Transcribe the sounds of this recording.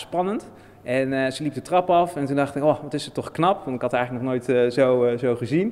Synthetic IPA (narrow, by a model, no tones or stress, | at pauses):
spɑnənt | ʔɛnzəlipdətrɑpɑfɛntundɑχtɪkoʋɑtɪsətɔχknɑpʋɑntɪkɦɑtɛjxələknɔχnoːjtzowzowχəzin